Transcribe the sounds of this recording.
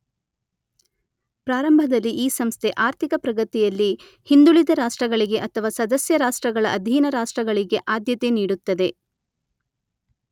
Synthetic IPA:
pɾaːɾɐmbʱɐd̪ɐlːiʔiːsɐmst̪ʰe̞ʔaːɾt̪ʰikɐpɾɐɡɐt̪ijɐlːi | hind̪uɭid̪ɐɾaːʂʈɾɐɡɐɭiɡe̞ʔɐt̪ʰɐʋaːsɐd̪ɐsjɐɾaːʂʈɾɐɡɐɭɐʔɐd̪ʱiːnɐɾaːʂʈɾɐɡɐɭiɡe̞ʔaːd̪jɐt̪e̞niːɽut̪ːɐd̪e̞

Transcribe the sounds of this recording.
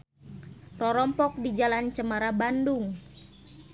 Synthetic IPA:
rɔɾɔmpɔk̚did͡ʒalant͡ʃəmaɾabanduŋ

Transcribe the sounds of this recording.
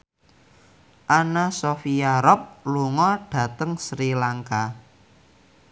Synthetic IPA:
ʔanasofiaɾɔp̚luŋɔɖ̥ä̤t̪əŋsɾilaŋka

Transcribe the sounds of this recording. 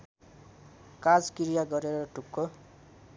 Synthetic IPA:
kad͡zkiɾijaɡʌɾeɾʌʈukːo

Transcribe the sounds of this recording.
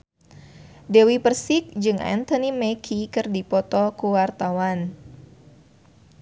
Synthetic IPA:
dɛwipərsɪk̚d͡ʒɨŋʔɛ̰nt̪ɔnimɛkʰikɨrdipɔt̪ɔkuwart̪awan

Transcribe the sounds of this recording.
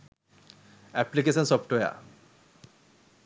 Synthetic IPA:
ɛplikesɔnsɔpʈoja̰

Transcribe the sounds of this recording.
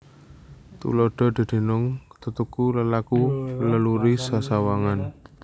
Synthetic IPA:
t̪ṵlɔɖ̥ɔ̤d̪̥i̤d̪̥e̤nʊŋt̪ut̪ukuləlakuləluɾisasawaŋan

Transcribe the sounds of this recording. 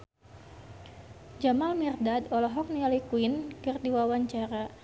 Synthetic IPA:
d͡ʒamalmirdadɔlɔɦɔk̚nialikwinkɨrdiwawaɲt͡ʃaɾa

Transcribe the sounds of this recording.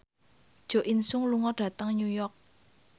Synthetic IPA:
d̥ʒ̥o̤ʔinsʊŋluŋɔɖ̥ä̤t̪əŋɲujɔrk̚

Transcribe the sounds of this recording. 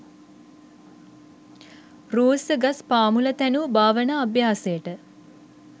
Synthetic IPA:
roːsəɡaspaːmulət̪ænubaːʋənaːbjaːsejəʈə

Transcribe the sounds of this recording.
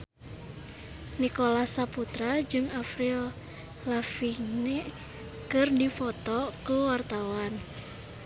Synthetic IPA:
nikolahsaput̪ɾad͡ʒɨŋafɾiɔ | lafine | kɨrdifɔt̪ɔkuwart̪awan

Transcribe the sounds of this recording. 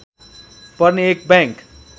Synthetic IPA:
pʌrneek̚bãŋk

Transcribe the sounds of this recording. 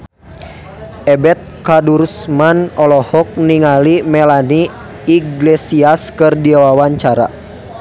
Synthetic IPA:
ɛbɛt̪̚kadursmanɔlɔhɔk̚niŋalimɛlaniː | ɡlɛsiaskɨrdiawawaɲt͡ʃaɾa̰

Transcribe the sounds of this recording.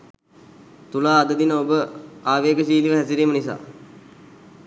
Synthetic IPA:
t̪ulaːd̪əd̪inəobəaːʋeːkəsiːliʋəɦæsiɾiːmənisa̰ː

